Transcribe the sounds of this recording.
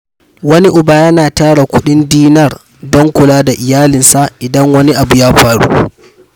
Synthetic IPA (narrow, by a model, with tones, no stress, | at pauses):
wɐ˦ni˦ʔʊ˨baː˦jɐ˦naː˨taː˦ɽa˨kʷʊ˦ɗɪ˦ndiː˦nɐ˦r | dɔ˦ŋkʷʊ˨laː˦da˨ʔɪ˨jaː˦lɪ˨nsa˨ʔʔɪ˨dɐ˦ŋwɐ˦ni˦ʔa˨bu˨jaː˦ɸaː˨ɽṵ˦